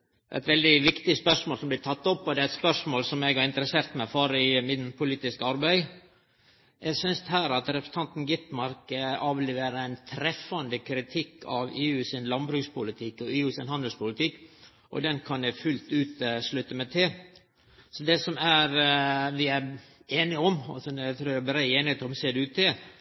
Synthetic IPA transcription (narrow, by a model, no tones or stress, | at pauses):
ʔæ̰ɪt̪ʋɛld̪ɪʋɪkt̪ɪspœʂmoːlsɔmblɪt̪ʰɑt̪ːɔpːɔd̪ɛɾɛt̪spœʂmoːlsɔmɛɡhɑɾɪnt̪əɾəseːɾt̪mæɪfɔɾɪmɪnpʰʊliːt̪ɪskɑɾbæɪ | jʔæɡsʏnst̪ɦæːɾɑt̪ɾɛpɾəsət̪ʰɑnt̪n̩ɡɪt̪mɑɾkɑːʋleːʋeːɾəæɪnt̪ʰɾɛfːɑnd̪əkʰɾɪt̪ʰɪkːɑʋeːʉːsɪnlɑnbɾʉːkspʊlɪt̪ʰɪkːɔeːʉːsɪnhɑnd̪l̩spʊlɪt̪ɪkː | ʔɔ̰d̪ɛnkʰɑnjæfʉlt̪ʉːt̪əslʉt̪ːəmɛt̪ʰɪl | sɔd̪ɛsɔmæɾʋɪæɾeːnɪɔmɑ̰sɔd̪ɛt̪ʰɾuːɾæbɾæɪeːnɪheːt̪ɔmseːd̪ɛʉːt̪ːɪl